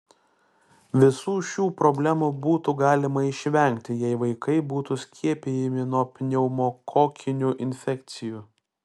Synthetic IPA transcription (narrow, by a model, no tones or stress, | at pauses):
ʋʲɪsuːʃʲuːpɾɔbʲlʲæmubuːt̪uɡɑːlʲɪmɐɪʃʲʋʲɛˑŋʲkt̪ʲɪjɛɪʋɐɪkɐɪbuːt̪usʲkʲiɛpʲejɛmʲɪnuɔpʲnʲɛʊmoːkʰoːkʲɪnʲuʔɪnʲfʲɛkt̪sʲɪjuː